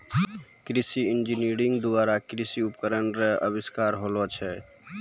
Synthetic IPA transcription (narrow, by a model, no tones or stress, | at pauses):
kɾisiind͡ʒiniɾiŋɡd̪uaɾakɾisiupkəɾənɾeə̰biskaɾɦolɔt͡ʃʰɛ